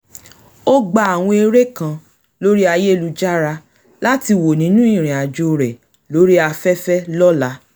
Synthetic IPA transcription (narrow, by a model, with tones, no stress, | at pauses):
o˦ɡ͡ba˧a˨w̃ɔ̃˧e˧ɾe˦kã˧ | lo˦ɾi˦a˧je˦˨lu˧d͡ʒa˦ɾa˧ | la˦ti˧wo˨nĩ˨˦nũ˦ĩ˦˨ɾ̃ĩ˨a˨d͡ʒo˧ɾɛ˨ | lo˨˦ɾi˦a˧fɛ˦fɛ˦lɔ˦la˦